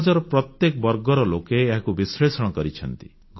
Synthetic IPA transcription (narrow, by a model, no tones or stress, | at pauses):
d͡ʒɔɾɔpɾɔt̪jekɔbɔɾɡɔɾɔlokeːɦakubisɾesɔɽ̃ɔkɔɾit͡ʃʰɔnt̪i̥ | k